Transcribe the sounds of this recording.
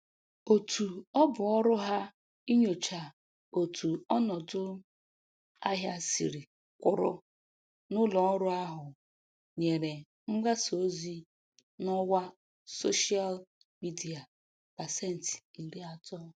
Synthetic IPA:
o˨tʰu˨ɔ˦bʊ˨ɔ˦ɾʊ˦ɦa˦ | i˦ɲo˨t͡ʃa˨ | o˨tʰu˨ɔ˦nɔ˨dʊ˦ | a˦ɦja˨sḭ˨ɾi˨ | kʷʊ˨ɾʊ̰˦ | nʊ˦lɔ˨ɔ˦ɾʊ˦a˦ɦʊ˨ | ɲe˨ɾe˨ | ŋ͡m̩˦ɡ͡ba˦so˨˦zi˦ | nɔ˦wa˦ | so˦ʃi˦a˦l | mi˦di˨a˨ | b̥a˨se˦n̩˨ti̥˨i˨ɾi˦a˨tɔ˦

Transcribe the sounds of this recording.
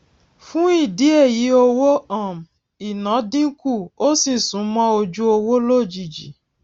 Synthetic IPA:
fũ˦i˦˨di˨˦e˦˨ji˨˦o˧wo˦ã˦˨m̩˨ | i˨nã˨˦dĩ˦ku˦˨o˦sĩ˦˨sũ˨˦mɔ̃˦o˧d͡ʒu˦o˧wo˦lo˦˨d͡ʒi˨d͡ʒḭ˨

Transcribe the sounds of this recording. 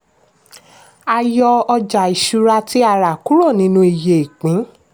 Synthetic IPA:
a˧jɔ˧ɔ˧d͡ʒa˨i˨ʃu˧ɾa˧ti˦a˦˨ɾa˨ku˦ɾo˦˨nĩ˦nũ˧i˨je˨i˨k͡pĩ˨˦

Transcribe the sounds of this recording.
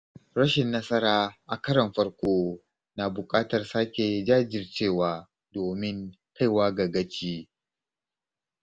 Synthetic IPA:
ɾɐ˦ʃɪ˨nːɐ˦sɐ˦ɾaː˨ʔa˨kɐ˦ɾɐ˨mɸɐ˦ɽkʷoː˦ | naː˨bʊ˨kʼaː˦tɐ˨rsaː˦kʲe˨d͡ʒaː˦d͡ʒɪ˨rt͡ʃeː˦˨waː˦ | doː˨mɪ˦ŋ | kʰa˦jwaː˦ɡɐ˨ɡɐ˦t͡ʃiː˦

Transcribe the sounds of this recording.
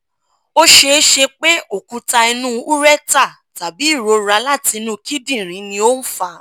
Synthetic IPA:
o˦ʃe˧˦ʃe˧k͡pe˦o˦˨kũ˧˦ta˧i˧nũ˦u˦ɾɛ˦˨ta˦˨ | ta˨bi˨˦i˦˨ɾo˧ɾa˨˧˦la˦˨ti˨˧nũ˦ki˦dĩ˦˨ɾ̃ĩ˨˦nĩ˧o˦n̩˦fa˧

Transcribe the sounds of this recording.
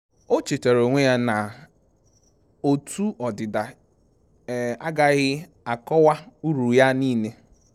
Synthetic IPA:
o˦t͡ʃe˨te˨ɾo˨ŋʷe˦ja˦na˨ | o˨tu˦ɔ˨dɪ˨da˨ | a˦ɡa˦ɣɪ˦ | a˨kɔ˦wa˦u˦ɾu˨ja˦niː˦ne˦

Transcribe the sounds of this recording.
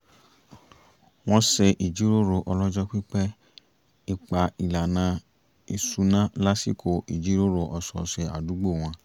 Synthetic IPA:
w̃ɔ̃˦sɛ˧ʔi˨d͡ʒi˨˦ɾo˦ɾo˧ʔɔ˧lɔ˦d͡ʒɔ˦k͡pi˦k͡pɛ˦ | i˧k͡pa˨i˨la˨nã˧ | i˧su˨˦nã˦la˦si˦˨kʰo˨i˨d͡ʒi˨˦ɾo˦ɾo˧ʔɔ˧sɔ̰˨sɛ˧a̰˨du˨˦ɡ͡bo˦˨w̃ɔ̃˧˦

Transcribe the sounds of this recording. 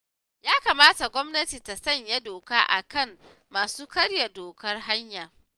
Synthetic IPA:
jaː˦kaː˨maː˦ta˨ɡʷɔ˦mnɐ˦ti˨ta˨sɐ˦˨ɲja˦doː˨kaː˦ʔa̰˨kɐ˦˨mː | aː˨suː˦kɐ˦rja˨doː˨kɐ˦rɦa˦ɲjaː˨

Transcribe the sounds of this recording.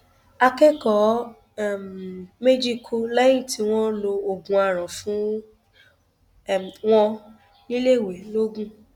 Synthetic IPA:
a˧kɛ˦kɔ˨˦˨ | mme˦d͡ʒi˦kʰo˧la˦jĩ˦˨ti˨˦w̃ɔ̃˦lo˧o˧˨ɡũ˨a˨ɾ̃ã˨fũ˨˦ | w̃ɔ̃˧ | nĩ˦le˦˨wɛ˨˦lo˦ɡũ˦

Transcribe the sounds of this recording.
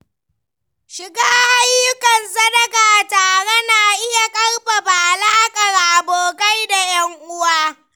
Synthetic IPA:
ʃɪ˨ɡaː˦ha˦jːʊ˦kɐ˨nsɐ˦dɐ˨ɡa˨taː˨ɽe˦na˨ʔɪ˦ja˨kʼɐ˦rɸa˨baː˨ʔlaː˦kʼɐ˨rʔa˨boː˨ka˦jda˨jɐ˦ŋʔʊ˦waː˦

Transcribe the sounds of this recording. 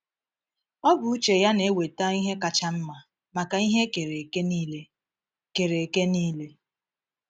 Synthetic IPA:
ɔ˦bʊ˨u˦t͡ʃe˨ja˦ne˨˦we˨ta˦i˦ɦe˦ka˨t͡ʃa˦m̩˦ma˨ | ma˨ka˨i˦ɦe˦ke˨ɾe˨kn˦le˦ | ke˨ɾe˨ke˦niː˦le˦

